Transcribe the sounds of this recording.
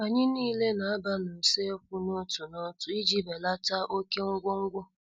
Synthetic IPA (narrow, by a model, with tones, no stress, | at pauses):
a˨ɲɪ˦niː˦le˦na˨a˦ba˦nʊ˨se˦kʷʊ˦no˦tu˨no˦tʊ˨i˦d͡ʒi˦be˨la˦ta˦ʔo˦ke˦ŋ̩˦ɡʷo˦ŋ̩˦ɡʷo˦